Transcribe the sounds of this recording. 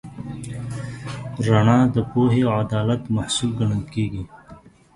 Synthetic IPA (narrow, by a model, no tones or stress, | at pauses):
ɾaɳãːd̪əpoːɦeɐd̪aːlət̪mɐhsulɡɐɳənkiːɡi